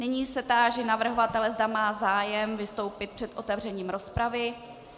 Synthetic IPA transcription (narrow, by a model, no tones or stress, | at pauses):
nɪɲiːsɛt̪aːʒɛnavr̩ɦovat̪ɛlɛzdamaːzaːjɛmvɪst̪o̞wpɪt̪̚pr̝̥ɛt̪ʔo̞t̪ɛvr̝ɛɲiːmɾo̞spɾavɪ